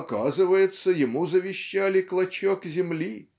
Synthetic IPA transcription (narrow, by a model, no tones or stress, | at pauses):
kazɨvəjɪt̪səjɪmuzəvʲɪɕːalʲɪklˠɐt͡ɕokzʲɪmlʲi